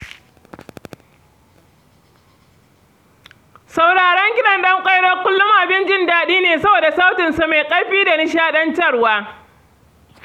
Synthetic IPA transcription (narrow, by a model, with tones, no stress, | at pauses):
sa˨wɽaː˨ɽɛ˦ŋkʲɪ˦ɗɐ˨nɗɐ˦ŋkʷʼa˦jɽɐ˦kʷʊ˦lːʊ˦maː˨bɪ˦nd͡ʒɪ˦ndaː˨ɗiː˦neː˨sɐ˦boː˨da˨sa˦wtɪ˨nsa˨ma˨jkʼɐ˦ɽɸiː˦da˨nɪ˦ʃ̬aː˦ɗɐ˦nt͡ʃɐ˦˨rwaː˦